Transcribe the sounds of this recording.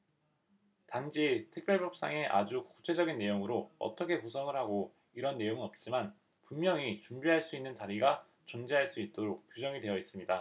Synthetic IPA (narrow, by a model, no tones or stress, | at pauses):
tand͡ʑitʰɯk̚p͈jʌɭpjʌp̚s͈a̰ŋe̞ʔa̰d͡ʑuku̥t͡ɕʰe̞d͡ʑʌɡinːe̞joŋɯɾoʌ̰t͈ʰʌkʰe̞kusʰʌŋɯɭhaɡo | iɾʌnːe̞joŋinʌp̚t͡ɕ͈iman | pumːjʌŋit͡ɕumbiɦaɭs͈uinːɯntaɾiɡa | t͡ɕʌnd͡ʑiɦaɭs͈uit̚t͈oɾok̚p͈jod͡ʑʌŋidwe̞jʌis͈ɯmɲida